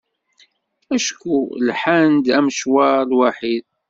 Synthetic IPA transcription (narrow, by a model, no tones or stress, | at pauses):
æʃkulħand̪æmʃwalwaħid̪